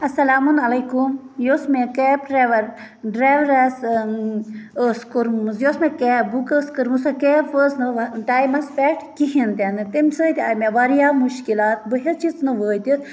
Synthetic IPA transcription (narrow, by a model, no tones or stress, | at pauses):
ɐsɐlaːmunɐlɐjkum | joːsmekeːpɾeʋɐɾ | ɖɾaːʋɾɐs | əskuɾmsjoːsmekeːbukəskɨɾmusɨkefəsnɨʋɖaːjmɐspɛʈkiɦint̪enɨt̪imʲsəːt̪iameʋaɾijaːmuʃkilaːt̪̚bəɦet͡ʃit͡snɨʋəːjt̪is